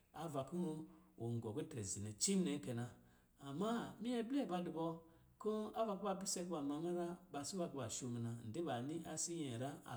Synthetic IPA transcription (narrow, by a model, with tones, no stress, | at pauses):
a˨va˨ku˦wo˨ŋ˨ɡo˨ɡu˦te˨zi˨ne˨t͡ʃi˦m˦ne˨ŋ˦ke˨naː˨ | ma˦mi˦e˦blba˨di˨bo˦ | ku˦a˦va˨ku˦ba˨bi˦se˦kba˨ma˨ŋa˦ɾa˦ba˨si˦ba˦kba˨ʃo˦mi˨na˨n̩˨di˦ba˨ni˦a˦si˦je˨ɾa˦a̰˨